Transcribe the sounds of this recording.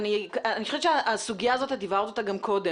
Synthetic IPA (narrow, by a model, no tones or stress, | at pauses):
niaanixoʃet͡ʃeaʔasuɡijaːzo̞thad̪ivaʁt̪ot̪aɡamkʰo̞de